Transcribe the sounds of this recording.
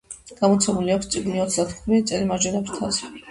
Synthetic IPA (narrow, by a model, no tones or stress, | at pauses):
ɡ̥amɔt̪sʰɛmuliakst̪sʼiɡniɔt̪sʰd̪at̪ʰχʰɾit̪sʼɛlimad͡ʒɛnapst̪ʰaz